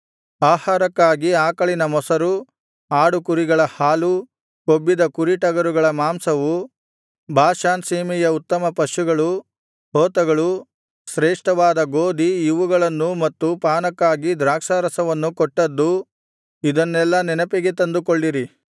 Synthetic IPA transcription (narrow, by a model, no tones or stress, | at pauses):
aːhaːɾɐkːaːɡiaːkɐɭinɐmɔsɐɾu | aːɽukuɾiɡɐɭɐhaːlu | kobːid̪ɐkuɾiʈɐɡɐɾuɡɐɭɐmaːmsɐʋu | bʱaːʃaːnsiːmijɐut̪ːɐmɐpɐʃuɡɐɭu | hɔːt̪ɐɡɐɭu | sɾɛːʂʈɐʋaːd̪ɐɡoːd̪ijuʋuɡɐɭɐnːumɐt̪ːupaːnɐkːaːɡid̪ɾaːkʂaːɾɐsɐʋɐnːukɔʈːɐd̪ːu | id̪ɐnːɛlːɐnɛnɐpɛɡet̪ɐnd̪ukoɭːiɾi